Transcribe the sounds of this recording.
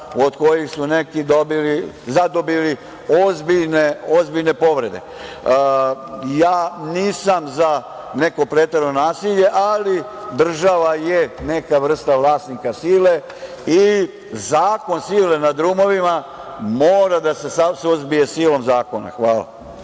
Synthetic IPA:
od̪ko̞jixsune̞kid̪o̞bilizad̪o̞bili | ozbiʎneo̞zbiʎne̞po̞ʋɾe̞d̪e̞̰ | jaːniːsamza | ne̞ko̞pɾet̪eɾonaːsiʎe̞ʔalid̪r̩ʒaʋajene̞kaʋr̩st̪aʋlˠaːsnikasiːle̞ | i | zaːko̞nsiːle̞nad̪ɾumo̞ʋima | moːɾad̪ase̞sasuzbije̞siːlo̞mzaːko̞na̰xʋaːla̰

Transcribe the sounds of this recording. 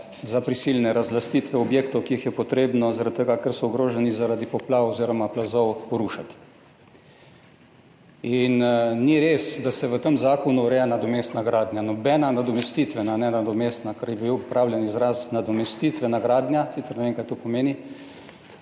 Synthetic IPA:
zapɾisilnɛɾazlast̪it̪ʋɛɔbjeːkt̪ɔwkiixjɛpɔt̪ɾeːbnɔzaɾat̪t̪ːəɡakəɾsɔʊɡɾoːʒɛnizaɾad̪ipɔplaːʋoziɾɔmaplazɔwpɔɾuʃat̪ | inniɾeːsd̪asɛʋət̪əmzaːkɔnuɾɛjanad̪ɔmest̪naɡɾaːd̪njanɔbɛːnanad̪ɔmɛst̪it̪ʋɛnanɛnad̪ɔmest̪nakaɾjɛbiwɔpɾʔaːwljɛnizɾasnad̪ɔmɛst̪iːt̪ʋɛnaɡɾaːd̪njasit̪sɛɾnɛʋeːŋkajt̪opɔmeːni

